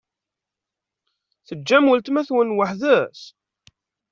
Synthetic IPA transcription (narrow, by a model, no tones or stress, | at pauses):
θəd͡ʒːæməlt̪mæθwənwəħðæs